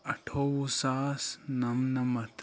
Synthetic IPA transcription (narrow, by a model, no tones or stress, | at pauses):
ɐʈʰoːwusaːsnɐmnɐmɐt̪